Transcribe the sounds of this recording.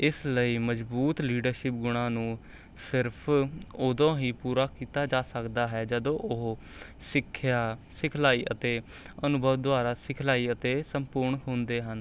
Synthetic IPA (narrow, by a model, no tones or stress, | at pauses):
ɪsləiːməd͡ʒbuːt̪liːɖəɾʃɪp̚ɡʊɽ̃ãːnũː | sɪɾpʰoːd̪õːɦiːpuːɾaːkiːt̪aːd͡ʒaːsəkd̪aːɦɛːd͡ʒəd̪õːʔʊɦ | sɪkʰːjaː | sɪkʰlaːiːʔət̪eː | ənʊbʱəʋd̪ʊaːɾaːsɪkʰlaːiːət̪eːsəmpʊɾɳɦõːnd̪eːɦən